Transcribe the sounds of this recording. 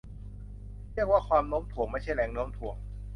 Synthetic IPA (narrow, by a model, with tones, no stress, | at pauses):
ɾi˥˩ək̚waː˥˩kʰwaː˧mlo˦˥mt̪ʰu˨˩˦əŋmaː˥˩t͡ɕʰa˥˩jlɛː˨˩˦ŋnoː˦˥mt̪ʰu˨˩əŋ